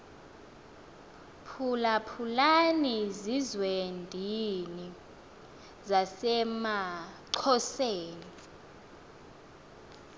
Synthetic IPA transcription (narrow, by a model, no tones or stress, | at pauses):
pʰulapʰulanizizwendʱini | zasɛmaǀʰɔseːni